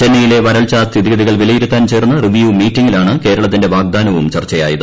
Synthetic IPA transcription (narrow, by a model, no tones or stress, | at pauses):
t͡ɕenːijile̞ʋɐɾɐɭt͡ɕast̪ʰiðiɡɐðiɣɐɭʋilɐjiɾut̪ːaːnt͡ɕe̞ːrunːɐriʋjuːmiːtːiŋːilaːɳɨke̞ːɾɐɭɐt̪ːinde̞ʋaːɡ̚d̪aːnɐʋumt͡ɕɐrt͡ɕːɐjaːjɐðɨ